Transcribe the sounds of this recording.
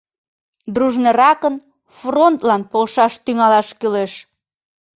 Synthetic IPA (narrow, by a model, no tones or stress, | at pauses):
d̪ruʒneɾɑkən | front̪lɑnpolʃɑʃt̪yŋɑlɑʃkyleʃ